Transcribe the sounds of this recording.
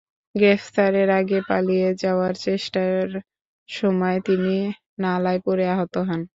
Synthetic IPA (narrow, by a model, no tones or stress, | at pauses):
ɡɾeft̪aɾeɾaɡepalijed͡ʑaoaɾt͡ɕeʃʈaɾ | ʃɔmɔet̪ini | nalajpoɾeaɦot̪oɦɔn